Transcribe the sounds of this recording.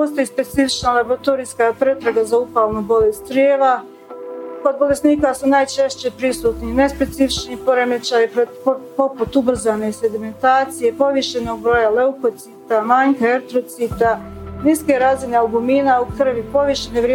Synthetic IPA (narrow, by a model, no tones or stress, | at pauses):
po̞st̪o̞jispe̞t̪sifit͡ʃnalaboɾat̪oɾijskapɾet̪ɾaɡazaupalnobo̞lest̪ɾjeːʋa | ko̞d̪̚bo̞le̞sniːkasunaːjt͡ʃe̞ʃt͡ɕe̞pɾisuːt̪nine̞spe̞t̪sifit͡ʃnipo̞ɾemet͡ʃajipo | po̞put̪ubr̩zane̞se̞d̪ime̞nt̪aːt̪sije̞po̞ʋiʃe̞no̞ɡ̚bɾo̞jale̞uko̞t̪siːt̪amaɲkaeɾt̪ɾo̞t̪sit̪aniske̞ɾazineaɡumiːnaukr̩ʋipo̞ʋiʃeneʋɾe